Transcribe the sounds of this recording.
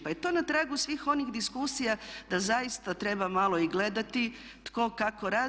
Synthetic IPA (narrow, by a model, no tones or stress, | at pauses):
pajet̪o̞ːnat̪ɾaɡusʋiːxo̞nixd̪iskusijad̪azajist̪at̪ɾe̞bamalˠo̞iɡle̞d̪at̪i | t̪ko̞kako̞ɾa